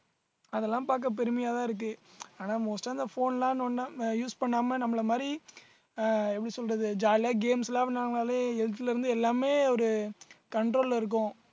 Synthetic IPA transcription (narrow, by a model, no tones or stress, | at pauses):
ɐðɛlːãːpaːɾk̬ːɐp̬ɛɾɯmɐjaːt̪ãːɪɾɯk̬ːɯaːnaːmoːsʈaːnd̪ɐfoːnlãːnɐnːãjuːspɐɳːaːmɐnɐmːɐɭɐmaːd̪ɾi | ɛpːɐɽisɔlrɐðɯd͡ʒaːɾaːɡeːmslaːʋɪnaːlaːleɛɻt̪ːɪlɐɪɾɯnd̪ɯɛlːaːmeːɔɾɯkɐɳɖɾoːlɪɾɯk̬ːʊ̃